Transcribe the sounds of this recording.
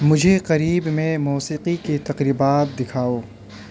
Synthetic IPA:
mʊd͡ʒʱeqɐɾiːbmẽmuːsiːqiket̪ɐqɾiːbaːt̪̚d̪ɪkʰaːoː

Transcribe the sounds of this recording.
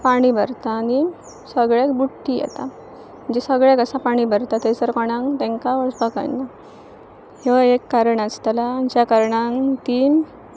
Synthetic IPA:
paɽ̃ibʱəɾt̪aːni | səɡɭakbuʈːijɛ̰t̪a | m̤əɳd͡ʑesəɡɭjakəsãpaɽ̃ibʱəɾt̪at̪et͡səɾkɔɽ̃ãŋt̪ẽŋkaʋəɭsbaka̰j̰nɡa | heʋekːaɾəɳast̪alat͡ɕjakəɾɳãŋt̪i

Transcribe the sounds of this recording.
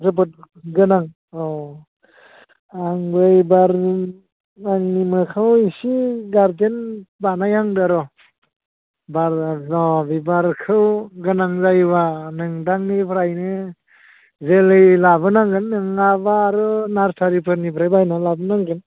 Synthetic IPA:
zɯbɯt̚ | ɡɯnaŋ | ɔ | aŋbɯjbaɾ | aŋnimɯkʰawisiɡaɾdenbanajaŋdaɾɔ | baɾɔbibaɾkʰɯwɡɯnaŋzajbanɯŋdaŋnipʰɾajnɯ | zelɯjlaβɯnaŋɡɯnːɯŋabaɾɯnaɾsʰaɾipʰɯɾnipʰɾajbajnalabɯnaŋɡɯn

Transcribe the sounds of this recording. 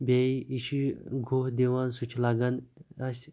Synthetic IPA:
bʲejiɕiɡʱoɦd̪eʋansut͡ʃʰlaɡanasʲ

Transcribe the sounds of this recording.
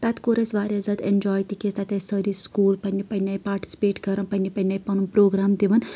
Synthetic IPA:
t̪ɐt̪koɾɐsʋaːɾʲɐzɐt̪end͡ʒɔːjt̪ikest̪ɐt̪ɐsɐɾiskuːlpɐnʲːipɐnʲɐjpaːɾʈi̥si̥peːʈkɐɾɐnpɐnːipɐnʲːɐjpɐnunpɾoːɡɾaːmd̪iʋɐn

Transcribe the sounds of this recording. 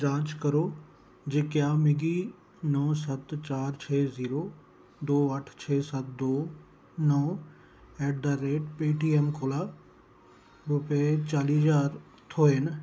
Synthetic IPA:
d͡ʒãːt͡ʃkɐɾoː | d͡ʑeːkjaːmɪɡi | nɔːsɐt̪t͡ɕaːɾt͡ɕʰeːziːɾo | d̪oːɐʈʰt͡ɕʰɛːsɐt̪̚d̪oː | nɔː | ɛːʈ̚d̪aɾeːʈpiːʈiːeːmkʰoːla | ɾʊpet͡ɕaːlid͡ʒaːɾ | t̪ʰoːen

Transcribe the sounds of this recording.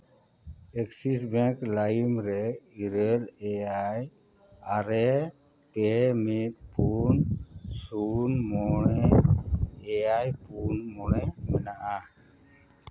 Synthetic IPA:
ɛksisbɛ̃klajmɾɛiɾəlɛaj | aɾɛ | pɛmit̪̚punsunmɔɽɛ | eajpunmɔɽɛmɛnaʔa

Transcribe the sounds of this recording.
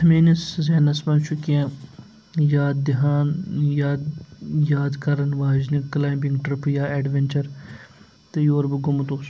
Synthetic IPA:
miːniszeːnɐsmɐnt͡ʃʰukiãː | jaːd̪d̪ɪɦaːnjaːd̪jaːd̪kɐɾɐnʋaːd͡ʒniklaːjmbiŋɡʈɾɪpjaːeːɖʋenʲt͡ʃɐɾ | t̪ejoːɾbɨɡʊmɐt̪os

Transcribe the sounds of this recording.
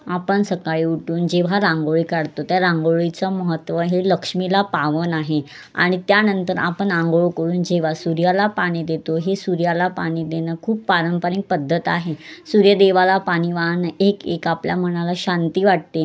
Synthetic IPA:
apəɳsəkaɭiːuʈuːnd͡ʑeʋ̤aɾãŋɡoɭikaɽt̪ot̪jaɾaŋɡoɭit͡səməɦət̪ːʋəɦeləkʂmilapaʋənaɦe | a̰ɽ̃it̪janənt̪əɾa̰pəɳaŋɡoɭkəɾuːnd͡ʑeʋ̤asuɾjalapaɽ̃id̪et̪oɦesuɾjalapaɽ̃iːd̪enəːkʰuːpːaɾəmpəɾik̚pəd̪ʱːət̪aɦesuɾjəd̪eʋalapaɽ̃iʋanəekekapljam̤əɽ̃alaɕant̪iːʋaʈ̚t̪e

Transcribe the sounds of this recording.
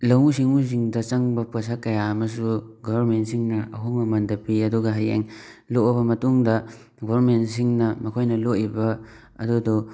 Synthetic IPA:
lɐwusiŋuz̬iŋdɐt͡ʃɐŋbɐpas̬akɐjaɐmɐs̬uɡɔbɐɾmentsiŋnɐɐɦoŋɐmɐndɐpiɐduɡɐɦajḛŋloʔɔbɐmɐtuŋdɐ | ɡɔbɾmentsiŋnɐmɐkʰojnɐloʔibɐ̰ː | dudɔ

